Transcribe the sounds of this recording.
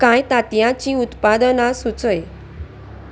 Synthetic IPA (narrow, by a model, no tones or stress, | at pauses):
kajt̪at̪jãt͡ɕiːut̪pad̪ənasut͡səj